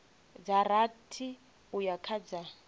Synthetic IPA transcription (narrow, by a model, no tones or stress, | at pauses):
d͡zaɾatʰi | ujakʰad͡za